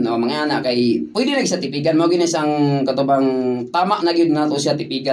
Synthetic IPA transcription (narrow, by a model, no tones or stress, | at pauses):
nomɐŋaaːnaʔkajpwɛd̪ɪnɐɡsat̪ɪpiːɡanmaɡɪnasaŋkɐt̪obaŋt̪aːmaʔnaɡɪd̪̚ŋaːt̪osɪat̪ɪpiːɡa